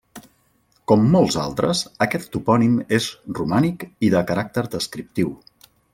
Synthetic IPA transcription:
kɔmːɔlˠza̰lˠt̪ɾə̰səkɛt̪ːupɔnimezrumanikiðəkəɾak̚t̪əɾd̪əskɾip̚t̪iw

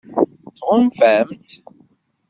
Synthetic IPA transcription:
θʁʊmfæmt̪

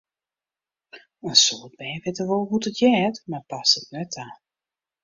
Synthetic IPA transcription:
ənsoːt̚bɛːnʋɪtərʋolˠɦutətʰjɛːtmarpasətnɛtʰaː

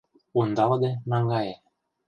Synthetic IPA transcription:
und̪ɑld̪enɑŋɡɑje

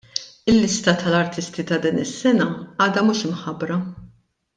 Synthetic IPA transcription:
ɪlːɪst̪ɐt̪ɐlɐɾt̪ɪst̪it̪ɐd̪iːnɪsːɛnɐɐːd̪ɐmuːʃɪmħɐbɾɐ

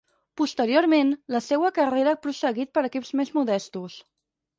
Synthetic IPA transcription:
pust̪əɾioɾmenləsɛwəkəreɾəpɾusəɣit̪̚pəɾəkipzmezmuðɛst̪us

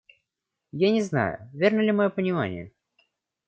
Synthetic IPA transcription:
janʲɪzna̰jʊ̰vʲe̞rnəlʲɪmɐjopənʲɪma̰nʲɪ̰jə

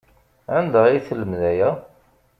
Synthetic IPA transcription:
ænd̪əʁiθələmðæjæ

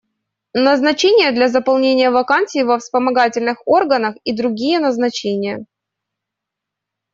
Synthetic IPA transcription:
nəznɐt͡ɕenʲɪjəd̪lʲɐzəpɐlˠnʲenʲɪjəvɐkanʲsʲɪːvəfspəmɐɡatʲɪlʲnɨxo̞rɡənəxid̪ɾʊɡʲijənəznɐt͡ɕenʲɪjə

